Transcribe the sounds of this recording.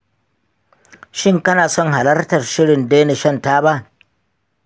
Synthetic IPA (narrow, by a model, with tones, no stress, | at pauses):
ʃɪ˦ŋkɐ˦naː˨sɔ˦ŋɦa˨lɐ˦rtɐ˨rʃɪ˦ɽɪ˨ndeː˦ne˨ʃɐ˦˨ntaː˦ba˦ʔ